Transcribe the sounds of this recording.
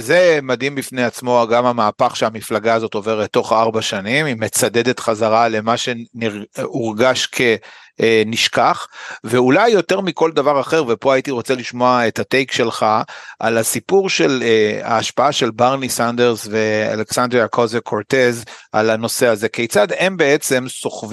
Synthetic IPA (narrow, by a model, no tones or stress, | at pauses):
zemad̪imbifnejat͡smo̞aɡamamaːpaχʃeamiflaɡaazo̞to̞ve̞ʁet̪ːo̞χaaʁbaʃanimimet͡sad̪e̞d̪e̞t̪χazaʁale̞maʃe̞niʁuʁɡaʃkʰe̞ | niʃkaχve̞ulajːo̞te̞ʁmiko̞ld̪avaʁaχe̞ʁvepo̞ajit̪iʁo̞t͡seliʃmoaethatejkʃe̞lχaʔa̰lasipuʁʃe̞la̰ːʃpaaʃe̞lbaʁnisandeʁzvea̰leksand̪ʁiakʰozekʰoʁt̪e̞zalano̞se̞aze̞kejt͡sad̪e̞mbe̞et͡se̞mso̞χv